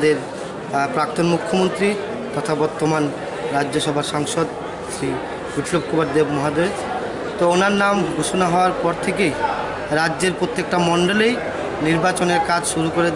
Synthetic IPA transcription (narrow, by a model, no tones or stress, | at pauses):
d̪eɾ | pɾak̚t̪onmukʰːomont̪ɾi | t̪ɔt̪ʰabɔɾt̪oman | ɾadːd͡ʑoʃɔbʱaɾʃaŋʃod̪ | ʃɾi | buʈlob̚kubaɾd̪ebmɔɦad̪oɾe | t̪oonaɾnamɡʱuʃonaɦɔoaɾpɔɾt̪ʰekej | ɾadːd͡ʑeɾpɾot̪ːek̚ʈamɔɳɖolej | niɾbat͡ɕoneɾkad͡ʑʃuɾukoɾed̪